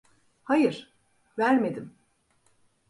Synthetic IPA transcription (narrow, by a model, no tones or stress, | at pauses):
hajɯɾ̥ | væɾme̞d̪im